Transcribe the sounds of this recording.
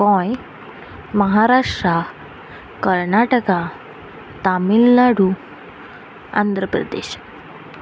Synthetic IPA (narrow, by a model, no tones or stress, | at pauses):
ʋɔ̃j | məɦaɾaʂʈɾa | kəɾnaʈəka | t̪amilːaɽu | a̰nd̪ɾəpɾə̰d̪ḛɕ